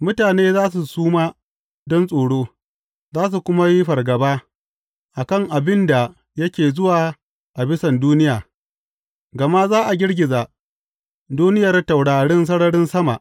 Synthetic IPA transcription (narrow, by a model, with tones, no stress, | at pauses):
mʊ˦taː˨neː˦zaː˦s̬u˨suː˦maː˦ | dɔ˦nsʼoː˨ɽoː˦ | zaː˦s̬u˨kʷʊ˦ma˦ji˦ɸɐ˨rɡɐ˨baː˦ | ʔa˨kɐ˦˨ŋʔa˨bɪ˦nda˨ | jɐ˦kʲeː˨zʊ˦waː˨ | ʔa˨bɪ˦sɐ˨nduː˦nɪ˦jaː˨ | ɡɐ˨ma˦zaː˦ʔa˨ɡʲɪ˦ɽɡʲɪ˨za˨ | duː˦nɪ˦jɐ˨rta˨wɽaː˨ɽɪ˦ns̬ɐ˦ɽɐ˦ɽɪ˦nsɐ˦ma̰˨ʔ